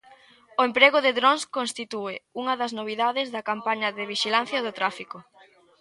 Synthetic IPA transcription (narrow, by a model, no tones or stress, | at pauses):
ʊempɾeɣʊðɪðɾonskonst̪it̪uɪuŋɐðɐznoβ̞iðaðɪzðɐkampaɲɐðɪβiʃilan̟θjɐðʊt̪ɾafikʊ